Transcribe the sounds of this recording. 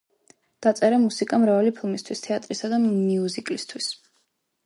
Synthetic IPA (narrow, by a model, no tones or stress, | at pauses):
d̪̥at̪sʼɛɾamusikʼamɾavalipʰilˠmist̪ʰwist̪ʰɛat̪ʼɾisad̪amiuzikʼlist̪ʰwis